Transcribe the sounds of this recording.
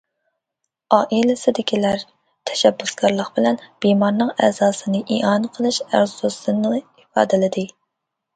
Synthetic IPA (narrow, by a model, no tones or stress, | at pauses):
ɑːʔilɪsɪd̪ɪkʲʰilæɾ | t̪ʰɛ̥ʃɛbːusɡɑɾlˠəqb̥ɪlɛnb̥imɑɾnɨŋɛzɑːsɨnɨʔiʔɑnqʰəlˠɨʃæ̰ɾsusɨnɨifɑ̰ːd̪ɪlɪd̪ɨ